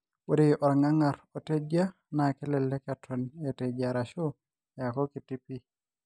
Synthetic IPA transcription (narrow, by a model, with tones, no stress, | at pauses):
wo˦di˨ʔɔ˨ɾŋa˦ŋa˨ɾo˨te˦d͡ʒa˦ | nakɛ˦lɛ˨lːɛ˦ka˨tʰɔ˨ne˨te˨d͡ʒa˨ɾa˨ʃu˦ | ja˨kɔ˦ki˨ti˦pi˦